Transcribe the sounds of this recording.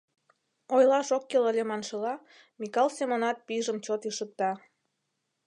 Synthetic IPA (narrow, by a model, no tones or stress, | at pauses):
ojlɑʃokːeləlʲemɑnʃəlɑ | mikɑlˠsemonɑt̪̚piʒəmt͡ɕot̪iʃək̚t̪ɑ